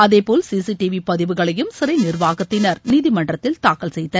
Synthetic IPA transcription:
ɐðeːpoːlsiːsiʈiʋipɐðɪʋɯɣɐɭɐjɯmsɪɾɐɪnɪrʋaːɣɐt̪ːɪnɐɾniːðimɐɳɖrɐt̪ːɪlt̪aːkɐlsɛjt̪ːɐɾ

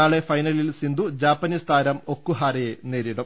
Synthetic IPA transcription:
aːɭe̞fɐjnɐlilsind̪ud͡ʑaːpːɐnist̪ʰaːɾɐmo̞kːuɦaːɾɐjeneːɾiɽɐm

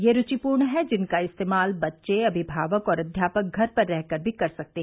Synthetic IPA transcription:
jeɾʊt͡ʃipuːɾɳɦɛd͡ʒɪnkaɪst̪eːmaːlbɐtːʃeɐbʱɪbʱaːʋəkɔːɾɐd̪ʱjaːpək̚ɡʱɐɾpɐɾːɛɦkəɾbʱikɐɾsɐk̚t̪e

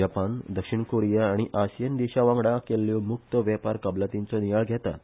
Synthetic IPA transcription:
apand̪əkʂiɳkoɾijaːɽ̃iʔaɕjənd̪iɕaʋãŋɡɽakelːjɔmuk̚t̪əʋjapaɾkəblət̪int͡sɔnijaɭɡʱjɛt̪a̰t̪

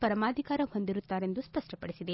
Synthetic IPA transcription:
pɐɾɐmaːd̪ʱikaːɾɐho̞nd̪iɾut̪ːaːɾe̞nd̪uspɐʂʈɐpɐɽisid̪e

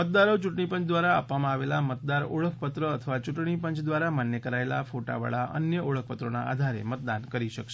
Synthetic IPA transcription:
mət̪̚d̪aɾot͡ʃuʈɳipənt͡ʃd̪ʋaɾaaʋamãaʋelamət̪̚d̪aɾoɭək̚ʰpət̪ɾəət̪ʰəʋat͡ʃuʈɳipəɲt͡ʃd̪ʋaɾamanjəkəɾaela̰foʈa̰ʋə̰ɭaʔə̰njəʔoɭək̚ʰpət̪ɾona̰a̰d̪ʱaɾḛmət̪d̪ankəɾiʃəkʃe

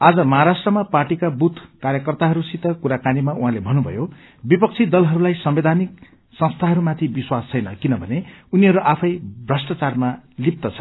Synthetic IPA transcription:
ad͡zʌmʌɦaɾasʈrʌmaparʈikabut̪ʰkaɾjʌkʌrt̪aɦʌɾusit̪ʌkuɾakanimaʔuɦãlebʱʌnːubʱʌ̰jo | bipʌk̚t͡sʰid̪ʌlɦʌɾulajsʌmbed̪ʱanik̚ | sʌ̃ŋst̪ʰaɦʌɾumat̪ʰibiswast͡sʰʌjnʌkinʌbʱʌneuniɦʌɾuʔapʰʌjbrʌsʈat͡sarmalip̚t̪ʌt͡sʰʌ̥

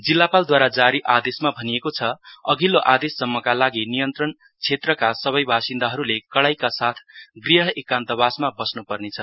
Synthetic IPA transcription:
d͡zilːapald̪waɾad͡zaɾiʔad̪esmabʱʌnijekot͡sʰʌʌɡiloʔad̪esːʌmːʌkalaɡinijʌnt̪rʌn | t͡sʰet̪rʌkasʌβʌjbʱasind̪aɦʌɾulekʌɭajkasat̪ʰɡriɦʌekant̪ʌbasmabʌsnupʌrnet͡sʰʌ

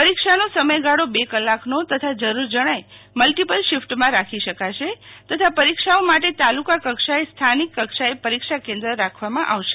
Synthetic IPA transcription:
pəɾikʃanosəməjɡaɽobekəlːaknot̪ət̪ʰad͡ʒəɾuɾd͡ʒəɽ̃ajməlʈipəlʃɪfʈmãɾakʰiʃəkaʃet̪ət̪ʰapəɾikʃaomaʈet̪alukakəkʃaest̪ʰanikːəkʃaepəɾikʃakẽnd̪ɾəɾakʰʋamãʔa̰ʋʃe̥

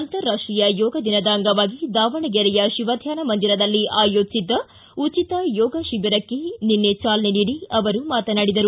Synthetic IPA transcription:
ɐnt̪ɐɾɾːaːʂʈɾijɐjɔːɡɐd̪inɐd̪aːŋɡɐʋaːɡid̪aːʋɐɳɐɡɛɾɛjɐʃiʋɐd̪ʱjaːnɐmɐnd̪iɾɐd̪ɐlːiʔaːjoːd͡ʒsid̪ːɐ | ut͡ʃit̪ɐjɔːɡɐʃibiɾɐkːe̞ninːet͡ʃaːlɐneniːɽiɐʋɐɾumaːt̪ɐnaːɽid̪ɐɾu

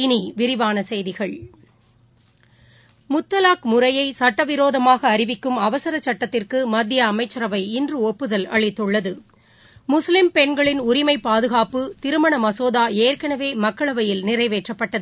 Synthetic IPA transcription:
ɪniʋɪɾɪʋaːnɐsɛjðɪɣɐɭ | mʊt̪ːɐlaːkmʊrɐjɐɪsɐʈːɐʋɪɾoːðɐmaːɣɐːɾɪʋɪkːɯmɐʋɐsɐɾɐt͡ʃːɐʈːɐt̪ːɪrkɯmɐd̪ːɪjɐːmɐɪt͡ʃːɐɾɐʋɐɪɪndrɯɔpːɯðɐlɐ̰ɭɪt̪ːɯɭːɐðɯ | mʊslɪmpɛɳɡɐɭɪnʊɾɪmɐɪpːaːðɯɣaːpɯt̪ɪɾɯmɐɳɐmɐsoːðaːeːrkɐɳɐʋeːmɐkːɐɭɐʋɐjɪlnɪrɐɪʋeːʈrɐpːɐʈːɐðɯ

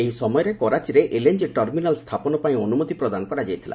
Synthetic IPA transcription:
eɦisɔmɔjɔɾekɔɾat͡ʃiɾeʔelend͡ʒiʈɔɾminalst̪ʰapɔnɔpaĩɔnumut̪ipɾɔd̪anɔkɔɾad͡ʒajt̪ʰilʔa̰

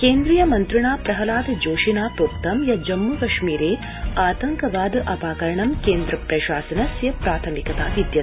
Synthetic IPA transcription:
keːnd̪ɾijɐmɐnt̪ɾɐɳaːpɾɐɦɐlaːd̪d͡ʒoːʃinaːpɾuːk̚t̪ɐmjɐd͡ʒɐmːukɐʃmiːɾeː | aːt̪ɐŋkɐʋaːd̪ʔɐpaːkɐɾɐɳɐmkeːnd̪ɾɐpɾɐʃaːsɐnɐsjɐpɾaːt̪ʰɐmikɐt̪aːʋid̪jɐ

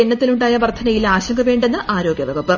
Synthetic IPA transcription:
eɳːɐt̪ːiluɳɖaːjɐʋɐrt̪ʰːɐnɐjilaːɕɐŋɡɐʋe̞ːɳɖe̞nːɨʔaːɾo̞ːɡjɐʋɐɡɐpːɨ

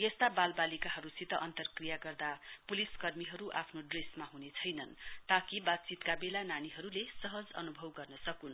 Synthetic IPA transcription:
jʌst̪abalbalikaɦʌɾusit̪ʌʔʌnt̪ʌrkrijaɡʌrd̪apuliskʌrmiɦʌɾuʔapʰnoɖresmaɦunet͡sʰʌjnʌnt̪ʌkibad̪̚t͡sit̪kabelananiɦʌɾulesʌɦʌd͡zʌ̰nubʱʌwɡʌrnʌsʌkunʌ

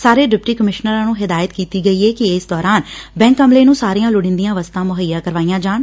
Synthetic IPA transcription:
saːɾeːɖɪp̚ʈiːkəmɪʃnəɾãːnũːɦɪd̪aːjət̪kiːt̪iːɡəiːɛːkɪeːsd̪ɔːɾaːnbɛ̃ːŋkəmleːnũːsaːɾijãːlʊɽɪ̃nd̪ijãːʋəst̪ãːmʊɦəjːaːkəɾʋaːijãːd͡ʒaːɳ

